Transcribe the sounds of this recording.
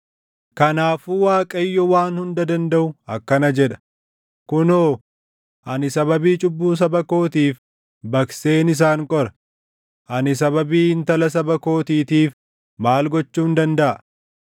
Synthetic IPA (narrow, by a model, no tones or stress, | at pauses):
kɐnaːfuwaːkʼɐjːɔwaːnhʊnd̪ɐd̪ɐnd̪ɐʔʊɐkːɐnɐd͡ʒɛᶑɐ̥ | kʊnoː | ʔɐnɪsɐbɐbiːt͡ʃʼʊbːuːs̬ɐbɐko̞ːt̪iːf | bɐkse̞ːnɪs̬aːŋkʼɔɾɐ̥ | ʔɐnɪs̬ɐbɐbiːɪnt̪ɐlɐs̬ɐbɐko̞ːt̪iːt̪iːf | maːlɡɔt͡ʃːuːnd̪ɐnd̪ɐʔɐ